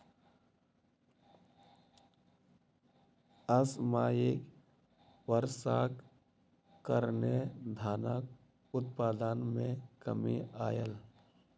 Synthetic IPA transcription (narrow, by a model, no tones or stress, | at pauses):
əsmaːjek | ʋəɾsak | kːəɾned̪ʱaːnak | ʊt̪paːd̪ənmẽkəmiaːjəl